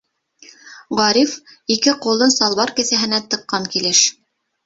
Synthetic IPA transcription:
ʁɑɾifikɘqulˠɤnsɑlˠβɑɾkɘ̆sæɦɘ̆næt̪ɤ̆qːɑŋkilɘʃ

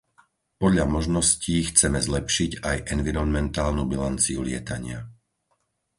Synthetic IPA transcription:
pɔd̪ʎamɔʒnɔsciːxt͡sɛmɛzlɛpʃiɟajʔɛnviɾɔnmɛnt̪aːlnubilant͡siṵlɪɛt̪aɲɪa

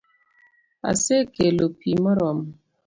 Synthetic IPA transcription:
a̰sekelopimɔɾɔm

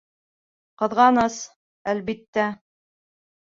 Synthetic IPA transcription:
qɤ̆ðʁɑnɤs | ælbit̪ːæ

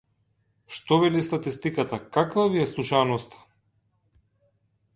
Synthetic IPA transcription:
ʃt̪ɔvɛlist̪at̪ist̪ikat̪akakvaviɛslˠuʃanɔst̪ḁ

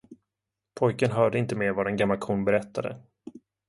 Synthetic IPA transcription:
pʰɔjkənɦœːɖəɪnt̪əmeːɾvad̪ɛnɡamːalkʰunbɛɾɛt̪ʰːad̪ə̰

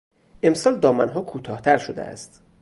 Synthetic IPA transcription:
ʔe̞msɒːld̪ɒːmænɦɒːkʰuːt̪ʰɒːht̪ʰæɾʃod̪ḛʔæ̰st̪

